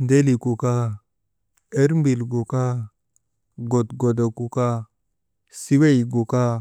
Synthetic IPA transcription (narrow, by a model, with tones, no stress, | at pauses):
nde˦li˨ku˨ka˦ | e˦ɾmbi˨lɡo˨ka˦ | ɡo˨tɡo˨da˨ku˨ka˦ | si˦we˦jɡo˨ka˦